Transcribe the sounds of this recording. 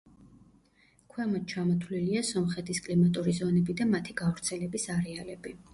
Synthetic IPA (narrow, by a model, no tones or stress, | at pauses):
kʰwɛmat͡ʃʰamɔt̪ʰliliasɔmχɛt̪ʰiskʼlimat̪ʼuɾizɔnɛbid̪amat̪ʰiɡavɾt̪sʰɛlɛbisaɾɛalɛbi